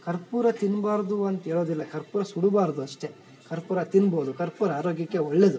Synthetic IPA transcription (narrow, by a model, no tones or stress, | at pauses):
kɐɾpuːɾɐt̪inbaːɾd̪uɐnt̪ɐɦeːɭo̞ːd̪ilːɐkɐɾpuːɾɐsuɽubaːɾd̪uɐʂʈe̞ | kɐɾpuːɾɐt̪inbo̞ːd̪ukɐɾpuːɾɐaːɾo̞ːɡjɐkːe̞oɭːe̞d̪u